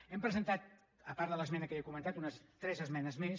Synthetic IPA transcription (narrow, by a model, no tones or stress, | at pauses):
ɛmpɾəzənt̪at̪̚ | əpaɾt̪ðələzmɛnəkəekumə̃nt̪at̪unəst̪ɾɛzəzmɛnəzmes